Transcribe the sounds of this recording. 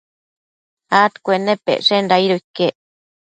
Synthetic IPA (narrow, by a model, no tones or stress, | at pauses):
at̪kʷenːepːḛʔʂenɾaiɾoikːeʔ